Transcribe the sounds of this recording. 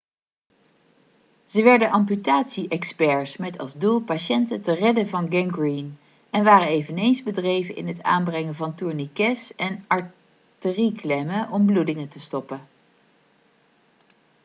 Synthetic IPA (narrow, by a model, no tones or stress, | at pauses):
z̥əʋɛɹdənʔɑmp̬ytaːtsiʔɛkspɛɹsmɛtʰɑ̰lˠzdulˠpaʃɛntətərɛdənvɑnɡɛŋɡrin | ɛnʋaːrənejvənejnzbədrejvənʔɪ̰nɦəta̰ːnbrɛŋəvɑntuɹnikɛsɛnɑɹ | təriklɛməʔɔmbludɪŋətəstɔpə